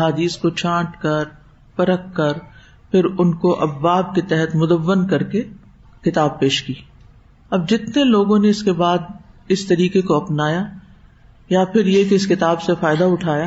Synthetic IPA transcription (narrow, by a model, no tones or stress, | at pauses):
ɦaːd̪iːskot͡ʃãːʈkɐɾ | pɐɾəkːɐɾ | pʰɪɾʊnkoʔɐbːaːb̚ket̪ɛɦɛt̪mʊd̪əʋːənkɐɾke | kɪt̪aːb̚peːʃkiː | ɐb̚d͡ʒɪt̪neloːɡõneɪskebaːd̪ɪst̪ɐɾiːkekoɐpnaːja | japʰɪɾjekɪɪskɪt̪aːbsefaːɪd̪aʊʈʰaːja